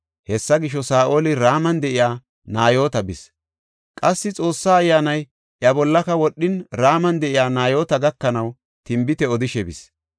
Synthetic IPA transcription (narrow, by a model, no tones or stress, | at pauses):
hɛsːɐɡɪʃ̬ːɔsaːʔo̞ːlɪɾaːmɐnd̪ɛʔɪjaː | naːjo̞ːt̪ɐbɪs | kʼɐsːɪt͡sʼo̞ːsːaːjːaːnɐj | ʔjɐbɔlːɐkɐwɔɗːɪnɾaːmɐnd̪ɛʔɪjaːnaːjoːt̪ɐɡɐkːɐnɐw | t̪ɪmbɪt̪ɛɔd̪ɪʃɛbɪ̰s